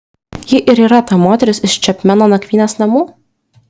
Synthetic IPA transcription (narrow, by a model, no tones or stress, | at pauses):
jɪʔɪɾiːɾɐt̪ɑmoːt̪ʲɛɾʲɪsɪʃt͡ʃʲɛpʲmʲænoːnɐkʋʲiːnʲɛsnɐmuː